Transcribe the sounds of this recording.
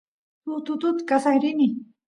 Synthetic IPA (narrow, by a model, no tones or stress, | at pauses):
t̪ʊt̪ʊt̪ʊt̪kasahɾɪni